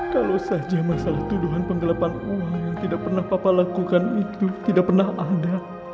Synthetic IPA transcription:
kalosad͡ʒamasalaht̪uduɦanpəŋɡəlapanuwaŋt̪idaʔ̚pərnahpapalakukanit̪ut̪idaʔ̚pərnaɦada

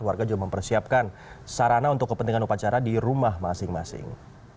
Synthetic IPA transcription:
warɡad͡ʒuɡaməmpərsiap̚kansaɾanaunt̪ʊkːəpənt̪iŋanupat͡ʃaɾadiɾumahmasɪŋmasɪ̰ŋ

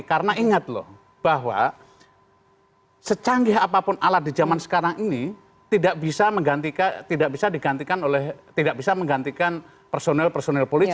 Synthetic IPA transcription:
kaɾənaiŋat̪̚lɔ̰h | b̥aɦwa̰ | sət͡ʃaŋɡɪɦapapʊnalat̪̚did͡ʒamansə̥kaɾaŋini | t̪idaʔbisaməŋɡant̪ikat̪idaʔ̚bisadiɡant̪ikanolɛht̪idaʔbisaməŋɡant̪ikan | pərsonɛlpərsonɛlpoli

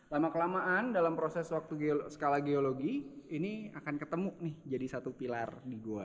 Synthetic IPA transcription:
lamakəlamaʔandalampɾosɛswak̚t̪uɡesə̥kalahɡeoloɡiːniakankət̪əmunɪhd͡ʒadisat̪upilardiɡua

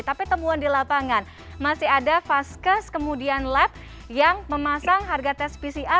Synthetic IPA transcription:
t̪apit̪əmuandilapaŋan | masiɦadafaskəskəmudianlɛp̚ | jaŋməmasaŋɦarɡat̪ɛspisiʔa

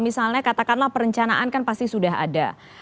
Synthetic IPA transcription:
misalɲakat̪akanlahpəɾəɲt͡ʃanaʔankanpast̪isudaɦa̰da̰

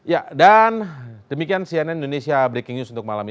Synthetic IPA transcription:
jadandəmikiansiɛnɛnindonesiabɾekɪŋɲusunt̪ʊk̚malami

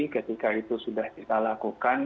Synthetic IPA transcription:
ikət̪ikait̪usudahkit̪alakukan

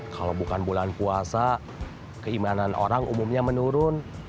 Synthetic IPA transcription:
kalawbukanbulanpuasa | kəimananʔo̰ɾaŋʔumumɲamənuɾʊn

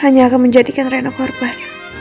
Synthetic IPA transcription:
haɲaːkanməɲd͡ʒadikanranokɔrba

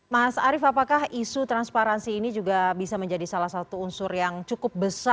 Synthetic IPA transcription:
masaɾɪfapakahisut̪ɾanspaɾansiːnid͡ʒuɡabisaməɲd͡ʒadisalahsat̪uːnsʊrjaŋt͡ʃukʊp̚bəsa

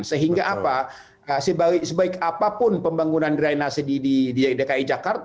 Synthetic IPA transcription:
nsəɦiŋɡaʔapa | əsəbaisəbaɪkapapʊnpəmbaŋunandɾainasədidididekaid͡ʒakart̪

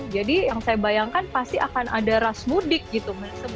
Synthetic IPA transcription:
d͡ʒadijaŋsajabajaŋkanpast̪iakanʔadaɾasmudɪk̚ɡit̪umənsəb

